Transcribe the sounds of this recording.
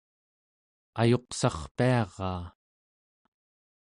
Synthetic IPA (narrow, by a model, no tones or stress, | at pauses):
ajo̞qsɑχpiɑʁɑː